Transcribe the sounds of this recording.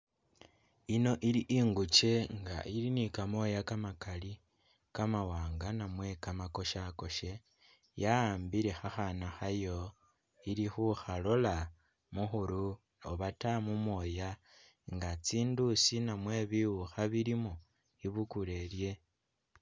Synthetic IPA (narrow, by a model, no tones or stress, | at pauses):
ino̞ʔiɾiʔiŋɡut͡ʃe̞ŋɡa̰ʔiɾinikamo̞jakamakali | kamawaːŋɡanamwe̞kamako̞ʃako̞ʃe̞ | jaaːmbiɾe̞xaxanaxajo̞ | iɾixuxalo̞la | muxuɾu | oβatamumwo̞ja | ŋɡat͡siːndusinamwe̞βiwuxaβiɾimo | iβukule̞lje̞